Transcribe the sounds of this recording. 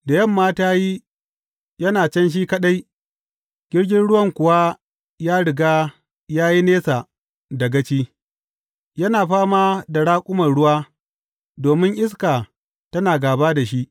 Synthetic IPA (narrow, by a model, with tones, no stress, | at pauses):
da˨jɐ˦˨mːaː˦taː˦jiː˦ | jɐ˦naː˨t͡ʃɐ˦nʃ̬iː˦kɐ˦ɗa˦j | ɡ̥ʲɪ˦ɽɡʲɪ˦nɽʊ˦wɐ˦˨ŋkʷʊ˨waː˦ | jaː˦ɽɪ˨ɡaː˦ | jaː˦ji˦neː˦sa˨ | da˨ɡɐ˦t͡ʃiː˦ | jɐ˦naː˨ɸaː˦maː˦da˨ɽaː˦kʷʼʊ˦mɐ˨rɽʊ˦waː˦ | doː˨mɪ˦ŋʔɪ˦s̬ka˨ | tɐ˦naː˨ɡaː˨baː˦da˨ʃi˦ʔ